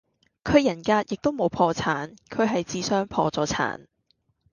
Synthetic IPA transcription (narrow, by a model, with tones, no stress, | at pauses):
kʰɵ˨˧ɥjɐ˨˩nkaː˧t̚jɪ˨k̚t̪o˥wmo˨˧wpʰɔː˧t͡sʰaː˨˥nkʰɵ˨ɥɦɐ˨jt͡siː˨sœː˥ŋpʰɔː˧t͡sɔː˨˧˥t͡sʰa̰ː˨˥n